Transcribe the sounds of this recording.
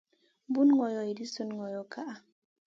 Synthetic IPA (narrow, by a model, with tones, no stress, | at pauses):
bu˦nŋɔ˨jɔ˨ji˨di˦su˨nŋɔ˨jɔ˨ka˦ʔa˨